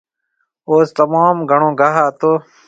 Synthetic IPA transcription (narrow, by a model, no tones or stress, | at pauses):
oːst̪əmaːmɡʱəɳõːɡʱaɦaːt̪oː